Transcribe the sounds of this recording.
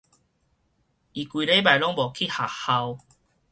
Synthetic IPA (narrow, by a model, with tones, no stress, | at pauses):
i˨˩kwi˨le˦ba˨˩jlɔ˦ŋbɔ˨˩kʰi˥˨ha˨˩ha˧w